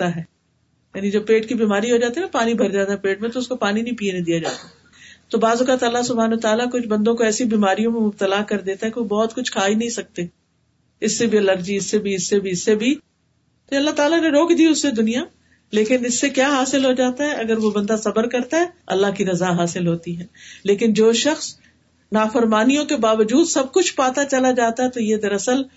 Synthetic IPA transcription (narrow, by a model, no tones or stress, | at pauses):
t̪aɦɛː | jaːnid͡ʒoːpeːʈkibiːmaːɾiɦod͡ʒaːt̪iɦɛnapaːnibʱɐɾd͡ʒaːt̪aɦɛpeːʈ̚mẽt̪oʊskopaːninɐɦĩpiːenẽd̪ijad͡ʒaːt̪aɦ | t̪obaːzʊkat̪aːlasʊbʱaːnːt̪aːlakʊt͡ʃʰbɐ̃nd̪õkoɛːsibiːmaːɾijõmẽmʊb̚t̪əlakɐɾd̪eːt̪aɦɛkeʋobɔːt̪kʊt͡ʃʰkʰaːinɐɦĩsɐk̚t̪eː | ɪsːebʱiɐləɾd͡ʒiɪsːebʱiɪsːebʱiɪsːebʱi | t̪oɐlːat̪aːlaneɾoːkd̪iːʊsːed̪ʊnija | leːkɪnɪsːekjaːɦaːsɪlɦod͡ʒaːt̪aɦɛʔɐɡəɾʋobɐ̃nd̪asɐbəɾkɐɾt̪aɦɛːɐ̰lːaɦkiɾɐzaɦaːsɪlɦoːt̪iɦɛːleːkɪnd͡ʒoːʃɐxs | naːfəɾmaːnijõkebaːʋəd͡ʒuːd̪sɐb̚kʊt͡ʃʰpaːt̪at͡ʃɐlad͡ʒaːt̪aɦɛt̪ojed̪ɐɾɐsəl